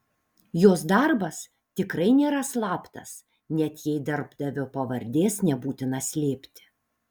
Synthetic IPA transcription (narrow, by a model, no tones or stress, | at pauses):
joːs̬d̪ɐɾbɐs | t̪ʲɪkɾɐɪnʲeːɾɐslˠɑːpt̪ɐs | nʲɛt̪jɛɪd̪ɐɾbd̪ɐʋʲopɐʋɐɾʲd̪ʲeːsnʲɛbuːt̪ʲɪnɐsʲlʲeːpʲt̪ʲɪ̥